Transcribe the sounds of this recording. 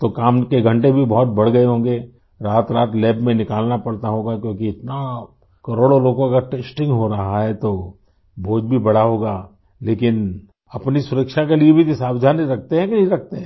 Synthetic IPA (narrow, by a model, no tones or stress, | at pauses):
t̪okaːmkeɡʱɐ̃ɳʈebʱibɔɦɔt̪̚bɐɽ̤ɡɐeɦõːŋɡe | ɾaːt̪ɾaːt̪lɛːbmẽnɪkaːlnapɐɽt̪aɦoːɡakjõːkiɪt̪na | kɐɾoːɽoloːɡõɐkaɾʈeːsʈɪ̃ŋɡɦoɾɐɦaɦɛt̪o | bʱoːd͡ʒbʱibɐɽaɦoːɡaː | leːkɪn | ɐpnisʊɾəkʃakeliebʱik̪esaːbd͡ʒ̪ʱaːnɾɐk̚ʰt̪eɦɛ̃kɾɐk̚ʰt̪eɦɛ̃